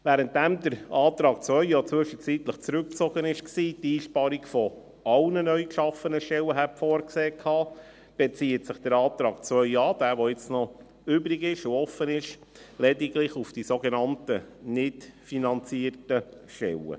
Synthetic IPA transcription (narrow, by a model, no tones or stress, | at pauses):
væːɾənt̚dæmd̪əɾɑːt̪ɾɑːk̚t͡sʋœʏjot͡sʋʏʃət͡sit̪ləχt͡sɾʉk̚t͡soɡənɪʃksiːtiːʃpɑɾikfɔ | ɑlnənœʏkʃɑfənəʃtɛwəɦæpfɔːɾkseːkʰhɑː | b̥et͡siːətsɪχd̥əɾɑːt̪ɾɑːk̚t͡sʋœʏɥɑːd̥̪æːʋoɪt͡snɔ | ʏbɾiɡɪʃʊɔfənɪʃ | lɛdiɡlɪχufd̥isoɡenɑntənɪtfinɑnt͡siːərtə | ʃtɛ̰lə̰